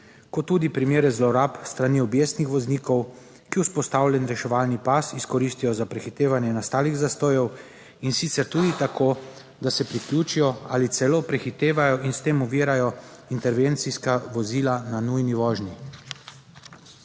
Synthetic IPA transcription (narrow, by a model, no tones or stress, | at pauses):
kɔt̪ːuːd̪ipɾimeːɾɛzlɔɾapst̪ɾaniːɔbjeːst̪nixʋɔzniːkɔw | kiuspɔst̪awlʲjɛnɾɛʃɛʋaːlnipasiskɔɾist̪ijɔzapɾɛxit̪eːʋanjɛnast̪aːliɣzast̪oːjɔw | insit̪sɛɾt̪uːd̪it̪akʰoː | d̪asɛpɾiklʲuːt͡ʃijɔaːlit̪sɛloːpɾɛxit̪eːʋajɔʔinst̪eːmuʋiːɾajɔint̪ɛɾʋẽnt̪siskaʋɔziːlananujniʋɔːʒni